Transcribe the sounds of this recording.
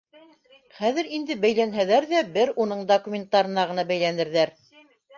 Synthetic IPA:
χæðɘɾind̪ɘbæjlænɦæðæɾðæbɘɾunɤɴd̪okumʲent̪ːɑɾɤ̆nɑʁɤ̆nɑbæjlænɘ̆ɾðæɾ

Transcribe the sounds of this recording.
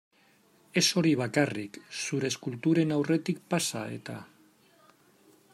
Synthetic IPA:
e̞so̞ɾiβ̞akariksuɾe̞ːskult̪uɾe̞nawre̞t̪ikpasa̰e̞̰t̪a̰

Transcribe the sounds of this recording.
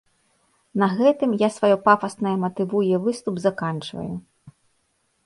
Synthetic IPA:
nɐɣɛt̪ɨmjasvajɔpafɐsnɐjɐmɐt̪ɨvujɛvɨst̪ubzɐkant͡ʂvɐ̰ju

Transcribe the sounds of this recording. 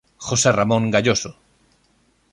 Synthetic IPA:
xoseramõŋɡaʎoso

